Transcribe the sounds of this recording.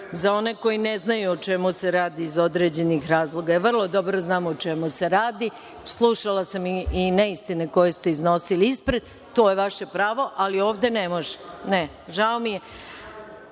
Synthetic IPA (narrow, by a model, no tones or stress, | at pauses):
zao̞ne̞ko̞jineznajuot͡ʃe̞museɾaːd̪iːzo̞d̪ɾe̞d͡ʑe̞nixɾaːzlˠo̞ɡaʋr̩lˠo̞d̪o̞bɾo̞znaːmot͡ʃe̞muse̞ɾaːd̪i | slˠuʃalasamiineist̪ineko̞jest̪e̞izno̞siliispɾed̪̚ | t̪o̞ːjeʋaʃe̞pɾaːʋo̞ʔalio̞ːʋd̪e̞nemo̞ʒe̥ne | ʒaomije